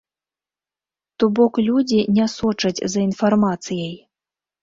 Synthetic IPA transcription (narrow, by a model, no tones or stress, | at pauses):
t̪ubɔklʲud͡zʲinʲasɔt͡ʂɐd͡zʲzɐinfarmat̪sɨjɐj